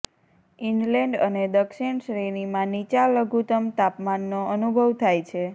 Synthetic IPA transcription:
iɳɖlɛ̃ɳɖəned̪əkʃiɳʃɾenimãnit͡ʃaləɡʱut̪əmt̪apmanːoʔənubʱəʋt̪ʰajt͡ʃʰe

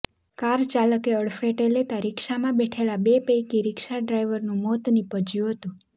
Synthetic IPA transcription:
kaɾt͡ʃaləkeəɽfeʈelet̪aɾɪkʃamãbeʈʰelabepejkiɾɪkʃaɖɾajʋəɾnũmɔt̪nipəd͡ʒjũɦət̪ũ

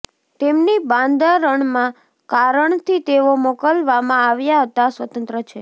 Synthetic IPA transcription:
t̪emnibãnd̪aɾəɳmã | kaɾəɳt̪ʰit̪eʋomokəlʋamãaʋjaɦət̪asʋət̪ənt̪ɾət͡ʃʰe

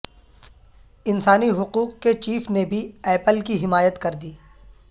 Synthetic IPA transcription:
ɪnsaːniɦʊquːqket͡ʃiːfnebʱiɛːpəlkiɦɪmaːjət̪kɐɾd̪iː

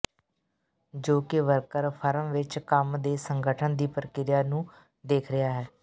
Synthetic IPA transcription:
d͡ʒoːkɪʋəɾkəɾpʰəɾəmʋɪt͡ʃkəmd̪eːsəŋɡəʈʰənd̪iːpɾəkɪɾɪjaːnũː | d̪eːkʰɾɪjaːɦɛː

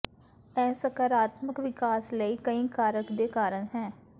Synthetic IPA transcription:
ɛːsəkaːɾaːt̪məkʋɪkaːsləiːkəĩːkaːɾəkd̪eːkaːɾənɦɛː

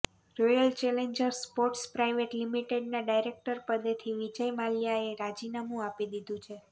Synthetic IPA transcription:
ɾojəlt͡ʃeleɲd͡ʒəɾspoʈspɾajʋeʈlimiʈeɖnaɖajɾek̚ʈəɾpəd̪et̪ʰiʋid͡ʒəjmaljaeɾad͡ʒinamũapid̪id̪ũt͡ʃʰe

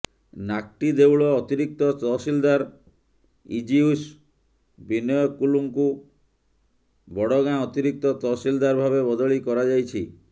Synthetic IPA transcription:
nak̚ʈid̪ewɭɔːt̪iɾik̚t̪ɔt̪ɔsild̪aɾ | ḭd͡ʒius | binɔjɔkuluŋku | bɔɽɔɡãɔt̪iɾik̚t̪ɔt̪ɔsild̪aɾbʱabebɔd̪ɔɭikɔɾad͡ʒajt͡ʃʰi

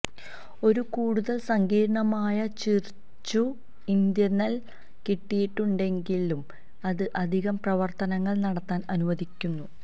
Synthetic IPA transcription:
o̞ɾukuːɽuðɐlsɐŋɡiːɾɐɳɐmaːjɐt͡ɕir | t͡ɕːu | ind̪jɐnːɐl | kiʈːijiʈːuɳɖe̞ŋɡilum | ɐðɨʔɐd̪ʱiɣɐmprɐʋɐrt̪ɐnɐŋːɐɭnɐɽɐt̪ːaːnɐnumɐd̪ʱikʲːunːu

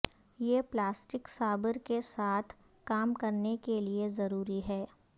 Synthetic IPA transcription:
jeplaːsʈɪksaːbəɾkesaːt̪ʰ | kaːmkɐɾnekeliezɐɾuːɾiɦɛː

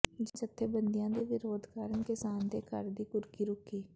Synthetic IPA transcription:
d͡ʒd͡ʒət̪ʰːeːbənd̪ɪjãːd̪eːʋɪɾoːd̪kaːɾənkɪsaːnd̪eːkəɾd̪iːkʊɾkiːɾʊkʰiː

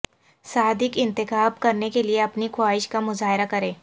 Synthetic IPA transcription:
saːd̪ɪkɪ̃nt̪ɪxaːb̚kɐɾnekelieɐpnixʰʊaːɦɪʃkamʊzaːɦɪɾakɐɾẽː

